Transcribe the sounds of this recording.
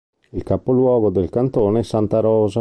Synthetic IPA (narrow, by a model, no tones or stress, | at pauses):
ilkapolwɔːɡod̪elkant̪oːneɛsːant̪aɾɔːza